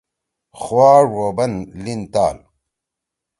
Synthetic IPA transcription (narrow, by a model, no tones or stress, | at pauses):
xwaːɾwoːbɐnlint̪a̰ːl